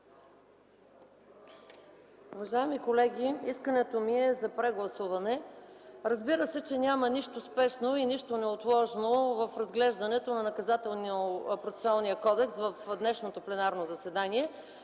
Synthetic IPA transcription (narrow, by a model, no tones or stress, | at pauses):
uvɐʒaɛmikolɛɡ̟ʲiiskənɛt̪omiɛzɐpɾɛɡlˠɐsuvɐnɛ | ɾɐzbiɾəsɛt͡ʃɛnʲamɐniʃt̪ospɛʃnoiniʃt̪onɛot̪lˠɔʒnovɐfɾɐzɡlɛʒd̪ɐnɛt̪onɐnɐkɐzat̪ɛlˠnopɾot̪sɛ̥soalˠniəkɔd̪ɛksvɐfd̪nɛʃnot̪oplɛnaɾnozɐsɛd̪aniɛ